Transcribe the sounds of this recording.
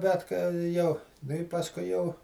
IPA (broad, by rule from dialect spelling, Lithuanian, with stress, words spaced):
bʲɛt kɐ ˈjɛʊ ˈnʊ ɪ pɐsˈkʊɪ jɛʊ